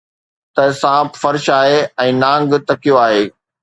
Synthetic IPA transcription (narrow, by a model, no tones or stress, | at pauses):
t̪ɐsãːbfɐɾʃaːɦeɛ̃ːnãːŋɡt̪ɐkijoaːɦeː